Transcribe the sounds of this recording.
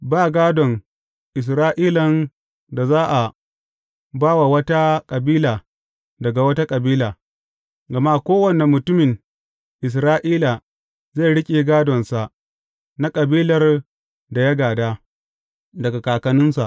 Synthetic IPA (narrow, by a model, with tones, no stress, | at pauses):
baː˦˨ɡaː˦dɔ˨ŋ | ʔɪ˨s̬ɾaː˦ʔiː˦lɐ˨n | da˨zaː˦ʔa˨ | baː˦wa˨wɐ˦ta˦kʼɐ˨biː˦laː˨ | dɐ˨ɡa˨wɐ˦ta˦kʼɐ˨biː˦laː˨ | ɡɐ˨ma˦kʷoː˦wɐ˨ne˨mːʊ˨tʊ˦mɪ˨ŋ | ʔɪ˨s̬ɾaː˦ʔiː˦la˨ | ze˦˨ɽɪ˦kʲʼeː˨ɡaː˦dɔ˨nsa˨ʔ | na˦kʼɐ˨biː˦lɐ˨r | da˨jɐ˦ɡaː˨daː˦ | dɐ˨ɡa˨kaː˨kɐ˨nʊ˦nsa˨ʔ